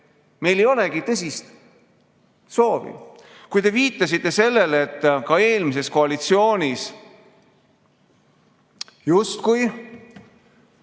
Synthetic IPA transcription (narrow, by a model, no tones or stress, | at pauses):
me̞jlejo̞leɡit̪ɤs̬ʲist̪ | so̞ːvḭ | kujt̪e̞viːt̪ːˑɑsit̪ːe̞se̞lːe̞let̪ːkɑe̞ːlmis̬e̞sko̞ɑlit̪sio̞ːnʲis | just̪kuj